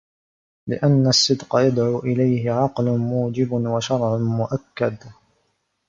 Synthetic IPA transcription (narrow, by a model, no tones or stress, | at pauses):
lɪʔanːasˤːɨd̪qɑjad̪ʕuːʔɪlajhɪʕɑqlʊmuːd͡ʒɪbwaʃɑɾˤʕmʊʔakːad̪